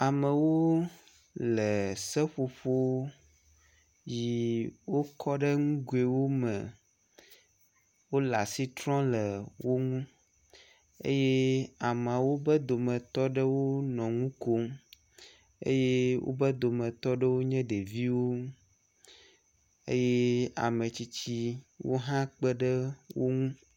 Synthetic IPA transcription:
a˨mɛ̃˨wo˦ | lɛ˨sɛ˦ɸo˨ɸo˦ | ji˨wo˦kɔ˦ɖɛ˦ŋũ˦ɡu˨e˨wo˦mɛ̃˨ | wo˦la˨si˦t̪ɾɔ̃˦lɛ˨wo˦ŋũ˦ | ḛ˦je˦a˨mã˨wo˦bə˦d̪o˨mɛ̃˨t̪ɔ˦ɖə˦wo˦nɔ̃˨ŋũ˦ko˦m | ḛ˦je˦wo̰˦bə˦d̪o˨mɛ̃˨t̪ɔ˦ɖə˦wo˦ɲɛ̃˦ɖe˨vi˦wo˦ | ḛ˦je˦a̰˨mẽ˨t͡ɕi˦t͡ɕi˦wo̰˦ɦã˦k͡pə˦ɖə˦wo˦ŋũ˦

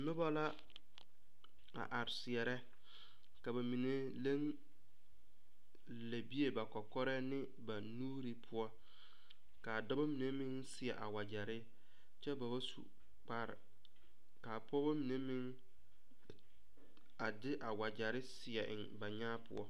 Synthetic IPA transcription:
nʊ˦ba˦la˦ | a̰˨ʔa˨ɾɪ˨sɪ˨ɛ˨ɾɛ˦ | ka˨ba˨mi˨ne˦ | le˦ŋ | le˨bi˦e˦ba˨kɔ˨kɔ˦ɾɛ˦nɪ˦ | ba˨nuː˦ɾi˦pʰʊ˦ɔ˦ | ka˨dɔ˦ba˦mi˨ne˦mɪ̃˦ŋsɪ˨ɛ˨ʔa̰˨wa˨d͡ʒa˨ɾɪ˦ | t͡ʃɛ˦ba˨ba˦sṵ˨ | k͡pa˦ɾɪ̰˨ | ka˨pɔ˦ba˦mi˨ne˦mɪ˦ŋ | a˨dɪ˦ʔa˨wa˨d͡ʒa˨ɾɪ˦sɪ˨ɛ˨ʔɪ˨ŋba˨ɲaː˦pʊ̰˦ɔ̰˦

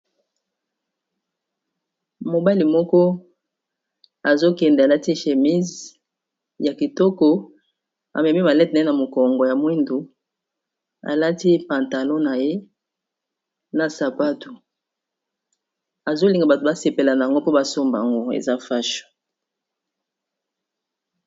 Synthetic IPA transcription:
mo˨ba˦li˨mɔ˦kɔ˦ | a˨zo˦kɛ˨nde˨a˨la˦ti˦ʃe˨mi˦z | ja˨ki˨tɔ˦kɔ˨ | a̰˨mɛ˨mi˦ma˨lɛ˦tna˨˦e˦na˨mo˨kɔ˨ŋɡɔ˨ja˨mwi˦ndu˨ | a̰˨la˦ti˦pã˨nta˨lɔ̃˦na˨je˦ | na˨sa˨pa˦tu˨ | a˨zo˦li˨ŋɡa˨ba˨to˨ba˦se˨pe˨la˨na˨a˨ŋɡo˦po˦ba˨so˦mba˨a˨ŋɡo˦ḛ˨za˦fa˦ʃo̥˨

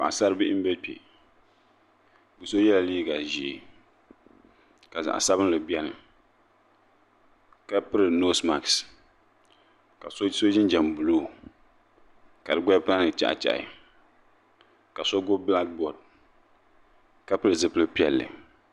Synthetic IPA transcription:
ba̰˨ʔa˨sa˦ɾɨ˦bɪ˦ʔɪ˦m̩˦bɛ˦pḛ˨ | bɨ˨so˦jɛ˦la˨liː˦ɡa˨ʒi˨e˨ | ka˨za̰˨ʔa̰˨sa˦bɨ˦n˦lɨ˨bɛ˦nɨ̰˨ | ka˦pɨ˦ɾɨ˨no˦sma˨ks | ka˨so˦so˦ʒɪ˦nd͡ʒɛ˨mbu˨loː˦˨ | ka˨dɨ˦ɡ͡bɛ˦pa˦nɨ˨t͡ʃa̰˦ʔt͡ʃa̰˨ʔɪ̰˨ | ka˨so˦ɡo˦bla˦k̚bɔ˨d̚ | ka˦pɨ˦ɾɨ˨zɨ˦pɨ˦lɨ˦pi˦ɛ̰˨lːɨ̰˨

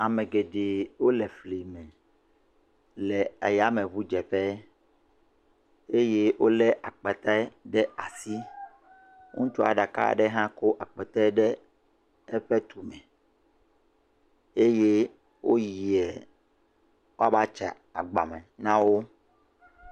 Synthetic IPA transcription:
a˨mɛ̃˨ɡe˨ɖe˨wo˦lɛ˨fli˨mɛ̃˨ | lɛ˨a̰˨ja˨˦mɛ̃˨βu˦d͡ʒɛ˨ɸɛ˦ | e˦je˦wʔo˦lɛ˦ʔa˨k͡pɛ˨t̪a˦ɛ˦ɖɛ˦a˨si˦ | ŋũ˦t͡ʃɔ˦a̰˨ɖa˨ka̰˦ɖɛ˦ɦã˦ko˦ʔa˨k͡pɛ˨t̪a˦ɖɛ˦ | ɛ˦ɸɛ˦t̪u˨mɛ̃˨ | e˦je˦ | wʔo̰˦ji˨ɛ˨ | wo˦a˦ba˦t͡ʃɛ˨ | a̰˨ɡ͡ba̰˨mɛ̰̃˨nã˦wo˦

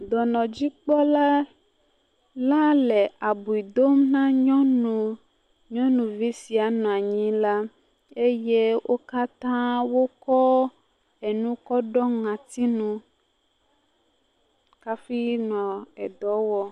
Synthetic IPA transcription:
d̪ɔ˨nɔ̃˨d͡ʑi˦k͡pɔ˦la˦ | la˦lɛ˨a˨bu˨i˨d̪o˦mnã˦ɲɔ̃˦nũ˨ | ɲɔ̃˦nũ˨vi˦si˨a˨nɔ̃˨a˨ɲĩ˦la˦ | e˦je˦wʔo˦ka˦t̪ã˦wo˦kɔ˦ | e˨nũ˦kɔ˦ɖɔ˦ŋã˨t̪i˦nũ˦ | ka˦fi˦nɔ̃˨ɛ˨d̪ɔ˨˦wɔ˨˦

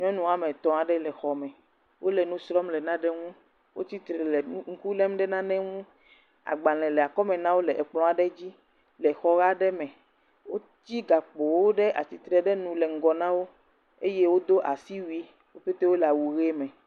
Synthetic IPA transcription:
ɲɔ̃˦nũ˦a˨mɛ̃˨t̪ɔ̃˨a˨ɖɛ˦lɛ˨xɔ˨mɛ̃˨ | wo˦lɛ˨nũ˦sɾɔ˦mlɛ˨nã˦ɖɛ˦ŋũ˦ | wʔo˦t̪i˦t̪ɾɛ˨lɛ˨˦ŋ̩˦ku˦lɛ˦mɖɛ˦nã˦nɛ̃˦ŋũ˦ | a̰˨ɡ͡ba˨lɛ̃˨lɛ˨a˨kɔ˦mɛ̃˨nã˦wo˦lɛ˨ʔɛ˨k͡plɔ̃˦a˨ɖɛ˦d͡ʑi˦ | lɛ˨xɔ˦ɣa˦ɖɛ˦mɛ̃˨ | wo˦ | t̪i˦ɡa˨k͡po˨wo˦ɖɛ˦ʔa˨t̪i˨t̪ɾɛ˨ɖɛ˦nũ˦lɛ˨ŋ̩˨˦ɡɔ˨nã˦wo˦ | e˦je˦wo˦d̪o˦ʔa˨si˦wi˦ | wo˦ɸe˦t̪e˦wo˦lɛ˨a˨wu˨ɣe˦mɛ̃˨

